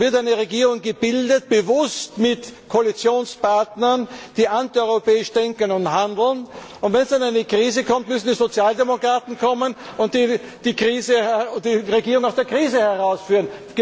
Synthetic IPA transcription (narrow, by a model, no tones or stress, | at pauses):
vɪɐtaɪnəʁeɡiːʁʊŋɡəbɪldət̚b̥əvʊstmɪtkʰoalit͡sjoːnspaɐtnɐnd̥iːʔantiɔʏʁopɛːɪʃd̥ɛŋkənʊnthandl̩n | ʊntvɛnsd̥anaɪnəkʁ̥iːzəkʰɔmtmʏsn̩diːzot͡sjaːldemokʁ̥aːtn̩kʰɔmənʊntd̥iːd̥iːkʁiːzədiːʁeɡiːʁʊŋaʊsd̥eːɐkʁ̥iːzəhɛʁaʊsfyːʁənɡ̥